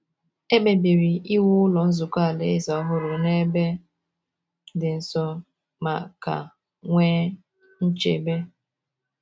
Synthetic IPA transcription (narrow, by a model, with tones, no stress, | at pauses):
e˦be˨bi˨ɾi˨i˦wu˦ʊ˦lɔ˨n̩˦zʊ˨kʷa˦˨le˦e˦zɔ˨˦ɦʊ˦ɾʊ˨ne˦be˦ | dɪ˨n̩˨sɔ˦ | ma˨ka̰˨ | ŋʷeː˦ | n̩˦t͡ʃḛ˨be˦